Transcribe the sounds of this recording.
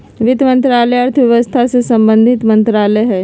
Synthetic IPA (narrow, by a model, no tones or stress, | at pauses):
ʋɪd̪mə̃nt̪ɾaːlɛɐɾt̪ʰʋjɐʋəst̪ʰasesɐ̃mbə̃nd̪ʱɪt̪mɐ̃nt̪ɾaːlɛɦɛː